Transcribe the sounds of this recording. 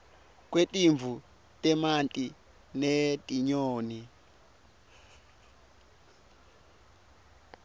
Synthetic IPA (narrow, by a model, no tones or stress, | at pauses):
k̬wetʼiɱvu | tɛmantʼi | netʼiɲoːni